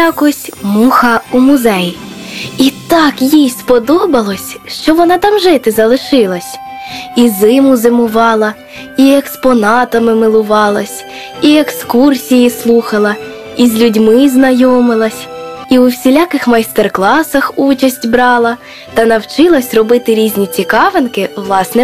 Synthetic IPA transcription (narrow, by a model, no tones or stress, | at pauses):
akɔsʲmuxɐumʊzɛj | it̪ɑkjijspɔd̪ɔbɐlˠɔsʲʃt͡ʃɔʋɔnɑt̪ɑmʒɪt̪ɪzɐlˠɪʃɪlˠɐsʲ | izɪmʊzɪmʊʋɑlˠɐ | iekspɔnɑt̪ɐmɪmɪlˠʊʋɑlˠɐsʲ | iekskursʲijislˠuxɐlˠɐ | izʲlʲudʲmɪznɐjɔmɪlˠɐsʲiuwsʲilʲakɪxmɐjst̪erklˠɑsɐxut͡ʃɐsʲtʲbɾɑlˠɐ | t̪ɐnɐwt͡ʃɪlˠɐsʲrɔbɪt̪ɪɾʲizʲnʲit͡sʲikɑʋenkɪʋlˠɑsnɛ